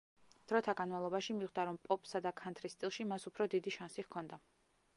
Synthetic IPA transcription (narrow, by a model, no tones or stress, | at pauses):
d̪̥ɾɔt̪ʰaɡanmavlˠɔbaʃimiʁd̪aɾɔmpʼɔpʼsad̪akʰant̪ʰɾist̪ʼilˠʃimasupʰɾɔd̪id̪iʃansiʁkʰɔnd̪a